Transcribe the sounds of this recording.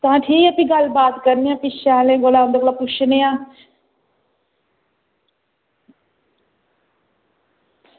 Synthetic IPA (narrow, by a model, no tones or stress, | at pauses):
t̪ãːʈʰiːkɛpĩːɡəlbaːt̪kəɾniːãːpiʃaːlẽːɡolãːɦʊ̃nd̪eːklaːpʊt͡ʃʰneːãː